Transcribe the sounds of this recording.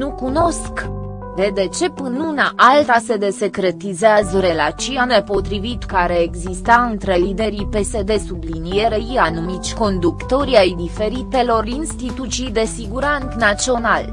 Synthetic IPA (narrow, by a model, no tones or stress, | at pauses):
nukuno̞sk | d̪e̞d̪e̞t͡ʃe̞pɨnunaʔalt̪ase̞d̪e̞se̞kɾe̞t̪izeazəɾe̞lat͡ʃianepo̞t̪ɾivit̪kaɾeeɡzist̪aɨnt̪ɾe̞lid̪e̞ɾipe̞se̞d̪e̞sublinie̞ɾeianumit̪sʲko̞nd̪ukt̪o̞ɾiajd̪ife̞ɾit̪e̞lo̞rinst̪it̪ut̪t͡ʃijd̪e̞siɡuɾant̪nat͡ʃio̞nal